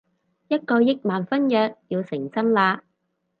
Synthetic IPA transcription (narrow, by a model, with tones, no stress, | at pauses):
jɐ˥t̚kɔː˧jɪ˥k̚maː˨˩nfɐ˥njœː˨k̚jiː˧wsɪ˨˩ŋt͡sɐ˥nlaː˧